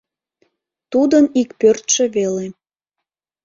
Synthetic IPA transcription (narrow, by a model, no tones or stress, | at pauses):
t̪ud̪ənikpørt̪ʃĕβele